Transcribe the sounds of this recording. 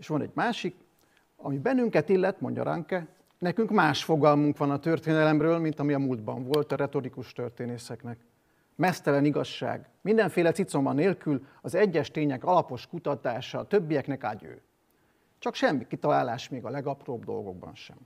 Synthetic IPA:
eːʃʋɒnɛ̰ɟmaːʃik | ɒ̰mibɛnːyŋkɛt̪ilːɛt̪mo̞̰ɲɟɒ̰ɾɒ̰ŋkɛ | nɛkyŋkmaːʃfo̞ɡɒlmuŋkʋɒnɒt̪ørt̪eːnɛlɛmrøːlmint̪ɒmiɒmuːld̪bɒɱvo̞lt̪ɒɾɛt̪o̞ɾikuʃt̪ørt̪eːneːsɛknɛk | mɛst̪ɛlɛniɡɒʃːa̰ːɡmind̪ɛɱfeːlɛt̪sit̪so̞mbɒnːeːlkylɒzɛɟːɛʃt̪eːɲɛkɒlɒpo̞ʃkut̪ɒt̪aːʃɒːt̪øbːijɛknɛkaɟø̰ː | t͡ʃɒkʃɛmːikit̪ɒlaːlaːʃmeːɡɒlɛɡɒproːbd̪o̞̰lɡo̞̰ɡ̚bɒ̰nʃɛ̰m

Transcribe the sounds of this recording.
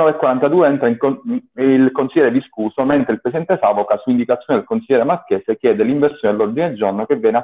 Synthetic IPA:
ɔːvekwaɾant̪ad̪uːeɛnt̪ɾai | ilkonsiljɛːɾed̪iskuːsoment̪ɾeilpɾesid̪ɛnt̪esaːvokasuind̪ikat̪sjoːned̪elkonsilːɛːɾemakeːsekjɛːd̪eliɱversjoːnalːɔrd̪ineld͡ʒornokevjɛːna

